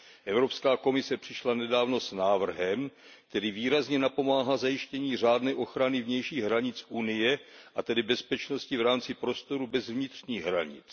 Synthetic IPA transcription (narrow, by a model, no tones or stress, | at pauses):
ʔɛvɾo̞pskaːko̞mɪsɛpr̝̥ɪʃlanɛdaːvno̞snaːvr̩ɦɛm | kk̚t̪ɛɾiːviːɾazɲɛnapo̞maːɦazajɪʃcɛɲiːr̝aːdnɛːʔo̞xɾanɪvɲɛjʃiːɣɦɾaɲɪt͡sʔunɪjɛʔat̪ɛdɪbɛspɛt͡ʃno̞scɪvɾaːmt͡sɪpɾo̞st̪o̞ɾubɛzvɲɪt̪r̝̥ɲiːɣɦɾaɲɪ̰t͡s